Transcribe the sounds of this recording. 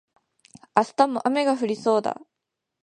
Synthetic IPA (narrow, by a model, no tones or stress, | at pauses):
asɨ̥t̪amːoʔame̞ɡaɸɯ̟ɾʲiso̞ːd̪a̰